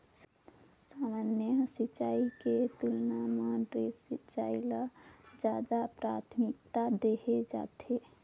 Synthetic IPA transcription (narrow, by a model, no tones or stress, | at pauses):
saːmaːnjəsit͡ʃaːiket̪ulnamaɖɾesit͡ʃaːilad͡ʒaːd̪apɾaːt̪ʰmɪk̚t̪ad̪ehed͡ʒa̰ːt̪e